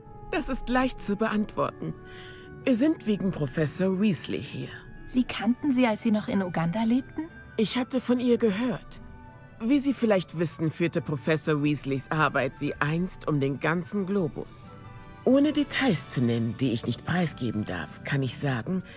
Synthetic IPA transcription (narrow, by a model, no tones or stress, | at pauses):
d̥asɪstlaɪçtt͡subəʔantv̥ɔ̰ɐtn̩ | viːɐzɪntv̥eːɡŋ̩pʁ̥ofɛsoːɐʁiːslḭhḭːɐ | z̥iːkʰantn̩ziːalsz̥iːnɔχɪnuɡandaleːp̚tn̩ | ʔɪçhatəfɔnʔiːɐɡəɦøːɐt | viːziːfɪlaɪçtv̥ɪsn̩fyːɐtəpʁ̥ofɛsoːɐʁiːslisʔaɐbaɪtz̥iːʔaɪnstʰʔʊmdeːnɡant͡sn̩ɡloːbʊ̰s | ʔoːnədetʰaɪst͡sunɛnəndiːɪçnɪçtpʁ̥aɪsɡ̥ḛːbm̩da̰ɐfkʰanɪçz̥aːɡŋ̩